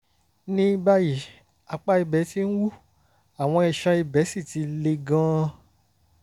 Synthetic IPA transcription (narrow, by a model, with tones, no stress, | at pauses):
nĩ˦ba˦ji˨ | a˨k͡pa˧˦i˧bɛ˨˦ti˦n̩˦wu˦˨ | a˨w̃ɔ̃˧i˧˨ʃã˧i˧bɛ˨˦si˦˨ti˨˦le˧ɡã˦˧